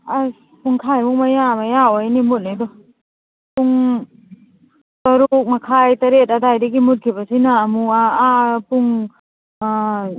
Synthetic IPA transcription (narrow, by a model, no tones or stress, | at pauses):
a | puŋkʰajmuŋmajamajaojnimut̚nedɔ | puŋ | t̪ɔɾuk̚makʰajtɐɾet̚adajdaɡimut̚kʰibasinaːmuaapuŋ